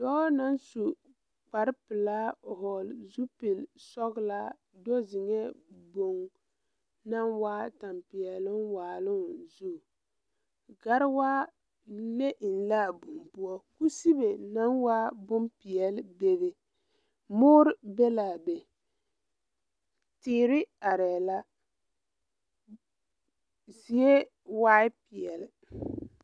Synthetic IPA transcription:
dɔː˦na˦nsu˨ | k͡pa˨ɾpɪ˨la˦˨hɔ˨lzu˦pɪ˨lsɔ˦ɣla˦ | dɔ˦zɪ˨ŋɛ˦bo˨ŋ | na˦nwaː˦ta˨mpi˨ɛ˨lɪ˦nwaː˨lʊ˦nzu˦˨ | ɡa˦ɾwa˦ | le˦ʔɪ˨nla˦˨bʊ˨mpu˦ɔ˦ku˦si˦be˨na˦nwaː˦bʊ˦mpɪ˨ɛ˨lbe˦bɪ˨ | mʊː˦ɾɪ˦be˦la˨be˨ | tɪː˦ɾɪ˦a˨ɾɛ˨la˦ | zi˦e˦ | waː˦ɪ˦pi˨ɛ˨lɪ˨

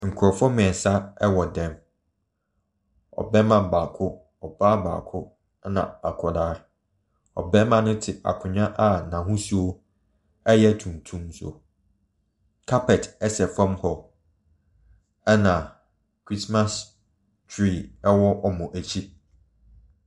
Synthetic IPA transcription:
ŋ̩˨kʰʊ˨ɾɔ˨fɔ˦mɪ̃˨ɛ˨sa˦ɛ˦wɔ˨dɛ̃˨m | ɔ̰˨bɛ˦mã˨m˨baː˨kʰʊ˦ | ɔ˨baː˦ba̰ː˨kʰʊ˦ | nã̰˨a˨kʰɔ˨daː˦ | ɔ̰˨bɛ˦mã˨nʊ̃˦tʰɪ˨a̰˨kʰʊ̃˨ɲã˦ʔa˨nã˨ɦũ˦su˦o˦ | ɛ˦jɛ˦tʰũ˨mtʰũ˦mso̰˨ | kʰa˦pʰɛ˨tɛ˦sɛ˨fã˦mhɔ˨ | ɛ˦nã˨ | kʰɾi˦sma˦s | tʰɾi˦˨ɛ˦wɔ˦ʔɔ˨mʊ̃˨ʔæ˨t͡ɕʰi˦

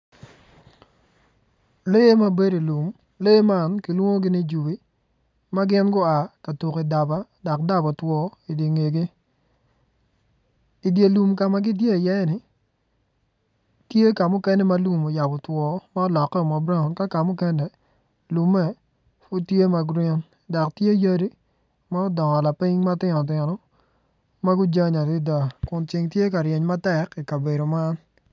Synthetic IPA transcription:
le˦ma˦be˦ɾi˨lu˨m | le˦ma˦˨nkɪ˨lwo˦ŋo˦ɡɪ˦nɪ˦d͡ʒu˨bi˦ | ma˦ɡɪ˦nɡʊ˦a˨ka˨tu˨ki˨da˨ba˦dɔ˨k̚da˦bɔ˨twɔ˦i˨di˨ŋe˨ɡe˦ | i˨dje˨lu˨mka˨ma˨ɡɪ˦t̬je˦˨jɛ˦nɪ˨ | tje˦ka˨mʊ˦kɛ˦nɛ˦ma˦lu˨mo˨ja˨bɔ˨twɔ˨ma˦ɔ˦lɔ˨kːɛ˦˨mɔ˨bɾa˦˨nka˦ka˨mʊ˦kɛ˦nɛ˨ | lu˨mɛ˦˨ | fʊ˦tje˦ma˦ɡɾɛ˦n | dɔ˨ktje˦ja˦ɾi˦ | ma˦ɔ˦dɔ˨ŋɔ˨la˨pɪ˦ŋma˦tɪ˦nɔ˨t̬ɪ˨nɔ˦ | ma˦ɡʊ˦d͡ʒa˦ɲa˨tɪ˦da˨kʊ˨nt͡ʃɪ˨ŋtje˦ka˨ɾje˨ɲma˦tɛ˨ki˨ka˨be˨ɾo˨ma˦n

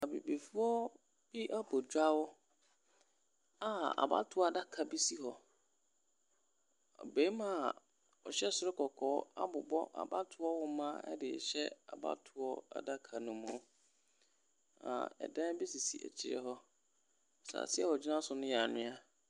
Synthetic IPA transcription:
a˨bḭ˨be˨fu˦ɔ˦ | b̥i˦ʔa˦bɔ˨d͡ʑᶣa˦wʊ˦ | a˨a̰˨ba̰˦tʰʊ˦ɔ˦a˦˨da˦kʰa˨bi˦si˦hɔ˦ | ɔ̰˨be˨˦mã˦˨ | ɔ˨ɕɛ˦˨sʊ˦ɾɪ˦kʰɔ˨kʰɔː˨˦a˦bʊ˨bɔ̰˦ʔa̰˨ba˦tʰʊ˨ɔ˦wʊ˦mã˦ɛ̰˦dɪ̰˨ɕɛ˦a̰˨ba̰˦tʰʊ˨ɔ˦a̰˨da˦kʰa˨nʊ̃˨mũ˨˦ | ã̰˨ɛ̰˨dã˦bi˦si˨si˨ɛ̰˨t͡ɕʰɪ˦˨ɾɪ̰˦ɦɔ˦ | sa̰˨sɪ˦ɛ˨wɔ˨d͡ʑi˦nã˦sʊ˨nʊ̃˦jɛ˨a˨nʊ̃˦a˦

